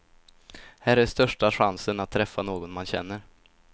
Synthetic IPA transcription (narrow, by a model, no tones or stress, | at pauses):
hæːɾæʂt̪œʂʈaɧansənat̪ʰːɾɛfːanoːɡɔnmanɕɛ̰nːəɾ